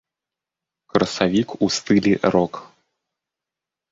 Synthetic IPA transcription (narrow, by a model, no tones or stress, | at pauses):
kɾɐsavʲikust̪ɨlʲiʔɾɔk